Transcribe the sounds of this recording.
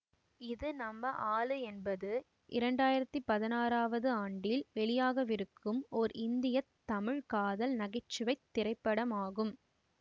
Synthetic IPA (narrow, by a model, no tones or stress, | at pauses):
ɪðɯnɐmːɐʔaːlɯɛnbɐðɯ | ʔɪɾɐɳɖaːjɪɾɐt̪ːipɐðɪnaːraːʋɐðɯaːɳɖɪlʋɛɭɪjaːɣɐʋɪɾɯkːɯmɔɾɪnd̪ɪjɐt̪ːɐmɪɻkaːðɐlnɐɣɪt͡ʃːɪʋɐɪt̪ːɪɾɐɪpːɐɽɐmaːɣɯm